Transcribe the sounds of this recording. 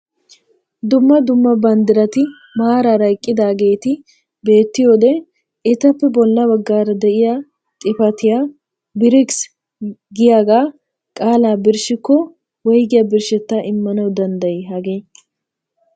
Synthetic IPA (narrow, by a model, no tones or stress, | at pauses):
d̪ʊmːɐd̪ʊmːɐbɐnd̪ɪɾɐt̪ɪ | maːɾaɾɐjkʼːɪd̪aːɡe̞ːt̪ɪ | be̞ːt̪ːɪjoːd̪ɛ | ɪt̪ɐpːɛbɔlːɐbɐɡːaːɾɐd̪ɛʔɪja | t̪ʼɪfɐt̪ɪjaː | bɪɾɪks | ɡɪjaːɡaː | kʼaːlaːbɪɾʃɪkːɔ | wɔjɡɪjɐbɪɾʃɛt̪ːaʔɪmːɐnɐwd̪ɐnd̪ɐjeɦɐɡeː